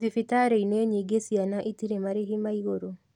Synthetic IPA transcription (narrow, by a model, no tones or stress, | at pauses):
ðifitaːɾeinwɛɲiːɡesianaʔitiɾemaɾeɦimaiɣoɾo